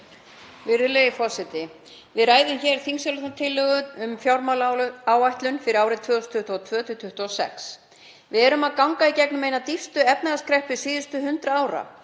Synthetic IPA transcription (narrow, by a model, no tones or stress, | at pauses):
vɪɾʏlejɪfɔsɪt̪ɪ | vɪðɾaːjðʏmçɛɾ̥θiŋsɛɾlɛht̪nat̪ʰɪlːœɣʏʏmfjawɾmawlaːwajht̪lʏnfɪɾɪaːwɾɪt̪ʰvœːɔst̪ʰʏht̪uɔt̪ʰvœːt̪ʏt̪ʰʏht̪uɔsɛ̰ks | vɪðɛɾʏmaðkawŋkaicɛknʏmejnat̪ifst̪ʏɛpnaɾaskɾɛhpvɪsiːðʏst̪ʏɦʏnt̪ɾaaːwɾa̰